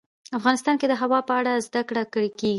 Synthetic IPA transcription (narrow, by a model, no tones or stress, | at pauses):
afɣɑnɪst̪ɑnked̪əɦawɑpəaɽazd̪akɽakəɽekeɡi